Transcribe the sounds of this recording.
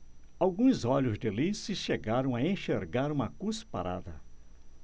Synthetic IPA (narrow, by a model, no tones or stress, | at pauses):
awɡũzɔʎʊzd̪elisɪʃeɡaɾɐ̃w̃aẽʃeɾɡaɾũmɐkuspaɾa̰d̪ɐ̰